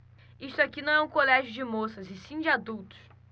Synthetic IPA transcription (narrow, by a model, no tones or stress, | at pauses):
ist̪ʊakinɐ̃w̃ɛũkolɛʒjʊd͡ʒɪmosɐzɪsĩd͡ʒɪad̪uwt̪ʊ̥s